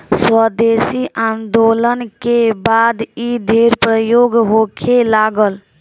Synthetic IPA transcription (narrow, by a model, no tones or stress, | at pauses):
swəd̪esiʔand̪olənkebad̪id̪ʱeɾpɾəjoɡɦokʰelaɡəl